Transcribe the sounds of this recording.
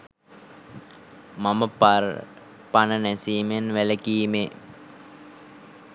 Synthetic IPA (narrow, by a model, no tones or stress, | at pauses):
maməpaɾ | panənæsiːmenʋæləkiːme